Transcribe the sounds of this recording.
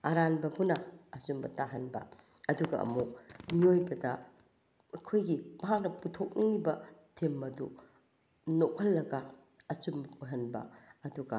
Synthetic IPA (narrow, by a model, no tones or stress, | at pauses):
ɐɾanbɐpunɐɐsumbɐtaɦɐnbɐ̰ | ɐduɡɐ̰ɐ̰muk̚miojbɐdɐ | ɐkʰojɡimɐɦak̚nɐputʰok̚niŋlibɐtʰemːɐdṵ | nok̚hʰɐlːɐɡɐ | ɐt͡ʃumbɐpʰuɦɐnbɐ̰ɐduɡɐ